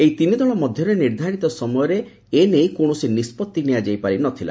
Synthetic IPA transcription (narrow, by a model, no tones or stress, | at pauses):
ejt̪inid̪ɔɭ̃ɔmɔd̪ʱjɔɾeniɾd̪ʱaɾit̪ɔsɔmɔjɔɾe | enejkoɽ̃ɔsinispɔt̪ːinijad͡ʒajpaɾinɔt̪ʰila̰